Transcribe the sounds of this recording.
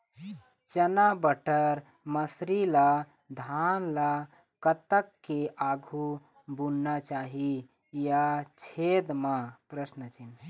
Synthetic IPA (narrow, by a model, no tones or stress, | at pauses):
t͡ʃənabəʈəɾ | məsɾila | d̪ʱanla | kət̪əkːeʔaɡʱu | bunːat͡ʃaɦi | jat͡ʃʰed̪mapɾəsnət͡ʃin